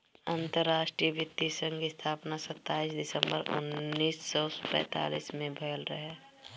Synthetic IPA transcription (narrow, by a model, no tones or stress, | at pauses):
ənt̪əɾːaːʃʈɾijəʋɪt̪ːisə̃ŋɡɪst̪ʰaːpnasət̪ːaːisd̪ɪsə̃mbəɾʊ̰nːiːsːɔpɛ̰̃ːt̪a̰ːlḭːsmẽbʱəːlɾəɦɛ